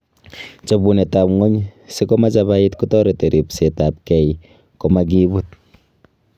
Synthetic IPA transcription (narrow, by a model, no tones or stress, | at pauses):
t͡ʃobunetapŋoɲsikɔmat͡ʃaβait̚kutɔɾeteɾipsetap̚kɛj | komak̬iβut̚